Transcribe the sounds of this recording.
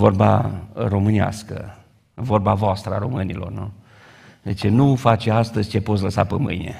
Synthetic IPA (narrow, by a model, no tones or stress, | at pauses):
vo̞rba̰ro̞mɨnia̰skə̰ | vo̞rbavoast̪ɾəaɾo̞mɨnilo̞̰rnu | et͡ʃenufat͡ʃeast̪əzʲt͡ʃe̞pot̪̬ʲləsa̰pəmɨ̰jnḛ